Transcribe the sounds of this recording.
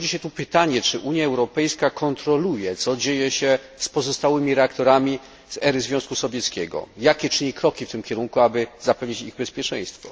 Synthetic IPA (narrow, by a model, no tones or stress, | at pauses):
ɔd͡ʑiɕɛt̪upɘt̪aɲɛt͡ʂɘʔuɲjaɛwɾɔpɛjskakʰɔnt̪ɾɔlujɛt̪sɔd͡ʑejɛɕɛ | spɔzɔst̪awɘmʲiɾɛakt̪ɔɾamʲi | zɛɾɘzvʲjɔ̃w̃skusɔvʲjɛt̪skʲɛɡɔ̰jakʲɛt͡ʂɘɲikɾɔkʲift̪ɘmkʲɛɾuŋkuabɘzapɛvɲit͡ɕiɣbɛspʲjɛt͡ʂɛ̰̃j̃st̪fɔ̰